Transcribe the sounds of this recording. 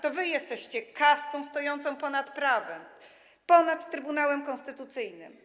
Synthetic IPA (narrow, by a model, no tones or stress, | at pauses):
t̪ɔvɘjɛst̪ɛɕt͡ɕɛkast̪ɔ̃st̪ɔjɔnt̪sɔ̃w̃pɔnat̪pɾavɛm | pɔnat̪ːɾɘbunawɛmkɔ̃st̪ɘt̪ut̪sɘjnɘ̰m